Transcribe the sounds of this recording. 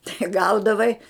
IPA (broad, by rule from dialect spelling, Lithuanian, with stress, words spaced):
tɐɪ ˈɡɐʊdɐʋɐɪ